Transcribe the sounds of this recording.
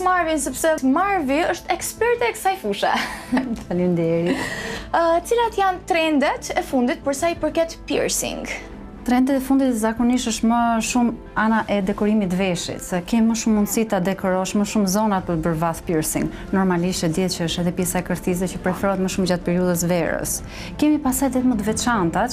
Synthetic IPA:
maɾvinsɛpsɛtmaɾviəʃt̪ɛkspɛɾt̪ɛkə̥sajfuʃɛ̰falind̪ɛɾi | t͡silat̪jant̪ɾɛnd̪ɛt̪ɛfund̪it̪̚pəɾsajpəɾkɛt̪pḭɾsḭŋɡ | t̪ɾɛnd̪ɛt̪ɛfund̪it̪zakɔniʃəʃməʃum | anaʔɛd̪ɛkɔɾimit̪vɛʃḭt̪sɛkɛmiməʃumːunsit̪ad̪ɛkɔɾɔʃməʃumzɔnapəbəɾvaθpiɾsḭŋɡ | nɔɾmaliʃt̪ɛd̪ɛθcəəʃɛðɛpjɛsaɛkəɾt̪is̬ɛt͡ɕəpɾɛfɛɾɔət̪məʃumd͡ʑat̪̚pɛɾiuðəs̬vɛɾə̰s | kɛmipasajd̪ɛθməd̪vɛt͡ʃant̪a

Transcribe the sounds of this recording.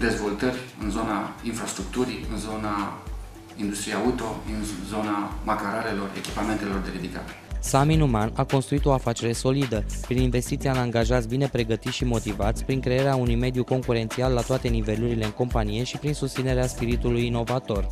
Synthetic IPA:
d̪e̞zvo̞lt̪ərʲɨnzo̞nainfɾast̪ɾuk̚t̪uɾiɨnzo̞na | ind̪ust̪ɾiaut̪o̞ɨnzo̞namakaɾale̞lo̞re̞̰kʲi̥pame̞nt̪elo̞rd̪e̞ɾid̪ika̰ɾesaminumanako̞nst̪ɾuit̪o̞afat͡ʃe̞ɾe̞so̞lid̪əpɾininve̞st̪it̪sianaŋɡaʒat̪sʲbine̞pɾe̞ɡət̪it̪ʃimo̞t̪ivat̪sʲpɾiŋkɾe̞eɾeaunujme̞d̪juko̞ŋkuɾe̞nt̪sialːat̪oat̪e̞nive̞luɾile̞ɨŋko̞mpanije̞ʃipɾinsust̪sine̞ɾeaspiɾit̪ulujino̞vat̪o̞r

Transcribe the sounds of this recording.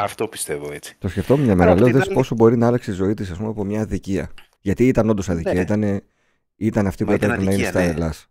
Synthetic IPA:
ɐft̪o̞pi̥st̪e̞voet͡si̥t̪o̞sceft̪o̞memɲɐmeɾɐleoðespo̞so̞bo̞ɾinɐɐlɐkset̪izo̞it̪isɐspumeɐpomɲɐːðiciɐ̰ | ʝɐt̪iit̪ɐno̞nd̪osɐðiciɐit̪ɐne | it̪ɐneɐft̪ipuep̪eɾeenɐinst̪ɐðelɐs

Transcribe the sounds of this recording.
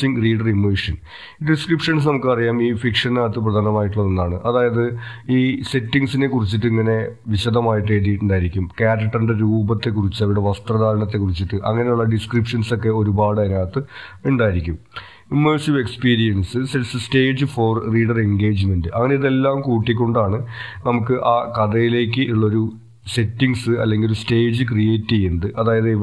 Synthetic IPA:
siŋɡriːɖɐrimːoːʂɐn | ɖiskripʂɐns̬nɐmukːɨɐrijaːmiːfikʂɐnnaːt̪ːɨp̬rɐd̪ʱaːnːɐmaːjiʈ̬ːuɭːɐnenːaːɳɨʔɐðaːjɐðɨiːse̞tːiŋɡsine̞kːurit͡ɕːiʈːɨiŋːɐne̞ʋiɕɐd̪ɐmaːjiʈːe̞ːðiːʈːuɳɖaːjiɾikʲːumkaːɾɐʈːɐinde̞ɾuːbɐt̪ːe̞kːurit͡ɕːɨɐʋiɽe̞ʋɐst̪rɐðaːɾɐɳɐt̪̬ːe̞kːurit͡ɕːiʈːɨʔɐ̰ŋːɐne̞juɭːɐɖiskripʂɐnso̞kːe̞o̞ɾubaːɽɐnaːt̪ːɨuɳɖaːjiɾikʲːum | imːeːsiʋe̞kspiːɾijɐnsɨsesɨste̞ːd͡ʑɨfo̞ːrriːɖɐreŋɡe̞ːd͡ʑɨme̞ndɨʔɐŋːɐneiðe̞lːaːmkuːʈːik̬ʲːo̞ɳɖaːɳɨ | nɐmukːɨʔaːkɐd̪ɐjile̞ːk̬ːɨʔiɭːɐo̞ɾu | se̞tːiŋɡsɨɐ̰lːeŋɡilɾuste̞ːd͡ʑɨkrijeːtːijend̪ɨʔɐðaːjɐðɨ

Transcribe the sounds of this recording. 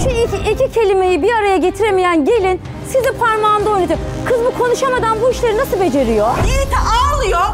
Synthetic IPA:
ʃuiecicʰe̞lʲime̞jibiɾaɾajaɟe̞t̪ʰiɾemijænɟe̞lʲin | sizifaɾmaːnd̪ao̞jnad͡ʒ̪akʰɯzbukʰo̞nuʃamad̪anbuiʃlʲeɾinasɯlˠbe̞d͡ʒe̞ɾijoit̪ʰialˠɯjo

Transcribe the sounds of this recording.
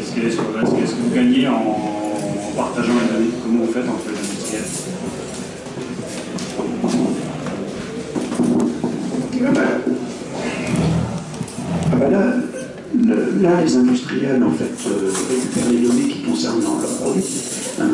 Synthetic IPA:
ɛskɛɛsɛskɛskəvuɡaɲeɑ̃ | paʁt̪aʒɑ̃lad̪ɔnekɔmɑ̃vufɛt̪ɑ̃flezɛ̃d̪yst̪χijɛl | ɛbɛ | abɛla | ləlalezɛ̃d̪yst̪χijɛlɑ̃fɛt̪øʁekypɛʁled̪ɔnekʲi̥kɔ̃sɛʁnd̪ɑ̰̃lœ̰ʁpχɔd̪ɥi | ɛ̰̃

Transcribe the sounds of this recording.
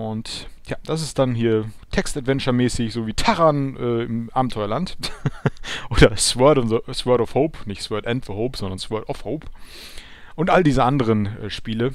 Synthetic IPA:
ʔʊntjaːd̥as̬ɪst̚d̥anhiːɐtʰɛkstatv̥ɛnt͡ʃɐmɛːsɪçz̥oːviːtʰaʁanʔɛːɪmʔaːbm̩tʰɔʏɐlant | ʔoːdɐswɛɐtʊnzswɛɐtɔfhoʊpnɪçtswɛɐtʔɛntfəhoʊpz̥ɔndɐnsw̥ɛɐtɔfhoʊp | ʔʊntʔaldiːzəʔandəʁ̞ənʔɛːʃpiːlə

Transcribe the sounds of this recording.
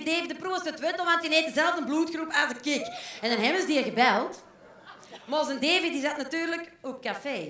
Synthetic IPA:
deːvidəpruəsətwɛtəlˠʋantineːtdəzɛlˠəvdənmbluːtxrupazəkɪkɛndɑnɦɛbənzdiːəɣəbɛlˠt | mozəndeːvɪtdizatnatyːrləkɔp̚kafeː

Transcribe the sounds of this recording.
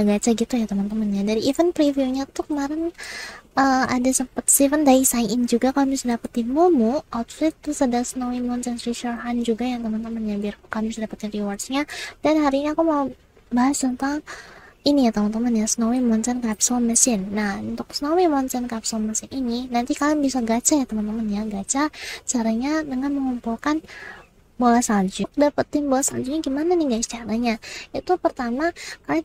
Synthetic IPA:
aɡat͡ʃaɡit̪ujat̪əmənt̪əmənjadaɾiːfənpɾiviuɲat̪ukəmaɾɛn | əadasəmpət̪̚sivəndaisaiɪnd͡ʒuɡakamisdapət̪imomuawt̪̚slɪt̪ːusadasənowimɔnt͡ʃɛnɾit͡ʃərɦand͡ʒuɡajaŋt̪əmənt̪əmənɲabirkukamisdapət̪iɾiwarsɲad̥anɦaɾiɲiakumau | baɦastənt̪aŋinijat̪əmant̪əmanjasənowimɔnt͡ʃɛnkapsɔməsɪnːahunt̪ʊksənowimant͡ʃɛnkapsɔməsɪnininant̪ikalabisaɡat͡ʃajat̪əmant̪əmənjaɡat͡ʃat͡ʃaɾaɲadəŋanməŋumpulkan | bolasad͡ʒʊk̚dapət̪ɪnbolasaɲd͡ʒʊk̚ɲaɡimananiɡaist͡ʃaɾaɲait̪upərt̪amakala

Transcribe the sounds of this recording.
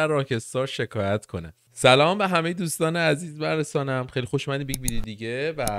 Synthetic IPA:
æɾrːɒːcʰe̞st̪ɒːʃe̞kʰɒːjæt̪kʰo̞næ̰ | sælɒːmbe̞ɦæme̞jed̪uːst̪ɒːneæziːzbæɾesɒːnæmxe̞jlixoʃuːmæd̪iːmbeɟbiɾid̪iɟevæ

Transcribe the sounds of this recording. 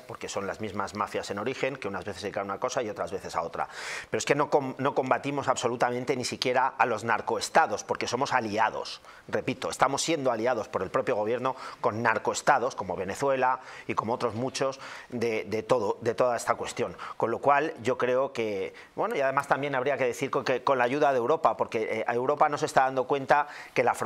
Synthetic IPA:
po̞ɾke̞so̞nlazmizmazmafjase̞no̞ɾixe̞ŋke̞unazβe̞θesikanunako̞saio̞t̪ɾazβe̞θe̞sa̰ot̪ɾa̰pe̞ɾoeske̞nokono̞ko̞mbat̪imo̞saβso̞lut̪amẽ̞nt̪e̞nisikje̞ɾaːlo̞znaɾko̞est̪aðo̞spo̞ɾke̞so̞mo̞saliaðo̞̰s | re̞pit̪o̞e̞st̪amo̞sːje̞nd̪oaliaðo̞spoɾe̞lpɾo̞pjo̞ɣ̞o̞β̞je̞ɾno̞ko̞nːaɾko̞est̪aðo̞sko̞mo̞β̞e̞ne̞θwe̞laiko̞moo̞t̪ɾo̞zmut͡ʃo̞sðe̞d̪e̞t̪o̞ðoðet̪o̞ðae̞st̪akwe̞st̪jo̞ŋko̞nlo̞kwalɟ͡ʝo̞kɾe̞oke̞ | bwe̞noiaðe̞mast̪ambjenaβɾiake̞ðe̞θiɾkkeko̞nlaʝuðaðe̞wɾo̞papo̞ɾke̞ʔewɾo̞pano̞s̬e̞st̪aðand̪okwe̞nt̪ake̞laf

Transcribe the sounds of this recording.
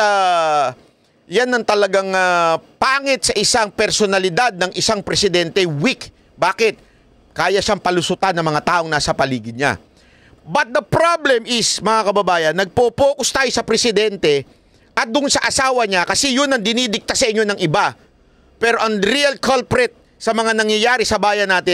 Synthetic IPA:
a | janɐŋt̪ɐlɐɡaŋapaːŋɪt̪̚sɐʔɪsaŋpɛɾsonɐlɪd̪ad̪̚nɐŋʔɪsaŋpɾɛsɪd̪ɛnt̪ɛwik | baːkɪt̪̚ | kaːjɐʃaŋpɐlʊsʊt̪anːɐŋmɐŋat̪aːʔo̞ŋnaːsɐpɐliːɡɪɲa̰ | bɐt̪̚d̪ɐpɾablɛmɪsmɐŋakɐbɐbaːjɐnːɐɡ̚popoːkʊst̪aːjo̞sɐpɾɛsɪd̪ɛnt̪ɛ | ʔɐt̪̚d̪ʊnsɐʔɐsaːwɐɲakɐsɛjʊnɐŋd̪ɪnid̪ɪk̚t̪asɐʔɪɲːonɐŋʔɪba | pɛːɾo̞ʔɐŋɾiɐlkalpɾɛt̪̚ | sɐmɐŋanɐŋjɐjaːɾɪsɐbaːjɐnːaːt̪ɪ

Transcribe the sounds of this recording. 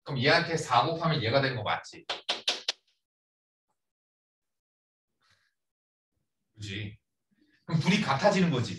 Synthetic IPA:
kɯmjeankʰesʰaɡopʰamjʌnje̞ɡadwe̞nɯnŋɡʌk͈a̰t̚t͡ɕ͈i | kɯd͡ʑi | kɯmpuɾikatʰad͡ʑinɯnɡʌd͡ʑi

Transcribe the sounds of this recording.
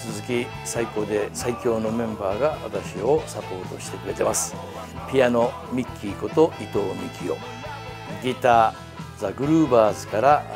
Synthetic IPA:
t͡sɨzɨkʲi | saiko̞d̪e̞saikʲo̞ːno̞mẽ̞mbaːɡaβa̰t̪aɕio̞sapo̞ːt̪o̞ɕi̥t̪e̞kɯ̟ɾe̞t̪e̞masɨ̥ | pʲijano̞ | mʲikʲːiko̞t̪o̞it̪o̞ːmʲikʲʰio̞̰ | ɡʲit̪aː | zaɡɯ̟ɾɯːbaːzɨkaɾa

